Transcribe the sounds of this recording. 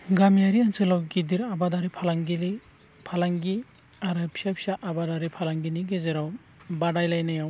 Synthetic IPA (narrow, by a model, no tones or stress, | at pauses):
ɡamjaɾiansɯlawɡidiɾabadaɾipʰalaŋɡili | pʰalaŋɡi | aɾapʰi̥sapʰi̥saʔabadaɾipʰalaŋɡiniɡezeɾaw | badajlajnajaw